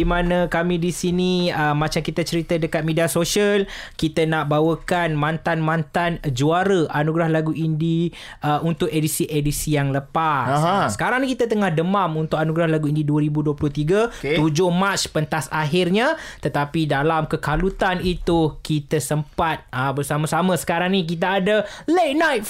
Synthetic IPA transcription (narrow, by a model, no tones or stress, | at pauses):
dimanãkamĩdisiniəmat͡ʃamkit̪at͡ʃəɾit̪ədəkat̪̚mediasoʃiəlkit̪ənaʔbawəkanmãnt̪anmãnt̪and͡ʒuaɾəʔanuɡɾahlaɡuʔindi | əunt̪ʊkedisiʔedisijaŋləpassə̥kaɾaŋnikit̪ət̪əŋahdəmamunt̪ʊkanuɡɾahlaɡuindiduəɾibuduəplʊht̪iɡəud͡ʒohmat͡ʃpənt̪asaɦɪrɲat̪ət̪apidalamkəkalut̪anit̪ukit̪əsəmpat̪̚ãbərsamasamə̃sə̥kaɾaŋnik̬it̪aːdəlet̪̚najt̪̚